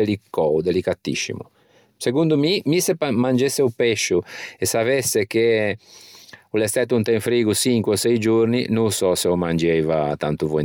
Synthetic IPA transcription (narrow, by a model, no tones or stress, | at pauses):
elikɔud̪elikat̪ːḭʃːḭmṵ | sekund̪umimisemand͡ʒesːeupɛʃːuɛsavɛsːek̟e | ulɛst̪ɛt̪ːunt̪ɛ̃nfɾiːɡusiŋkwɔsɛjd͡ʒuɾninusɔsɛɔmand͡ʒɛjva̰t̪a̰nt̪uvɔ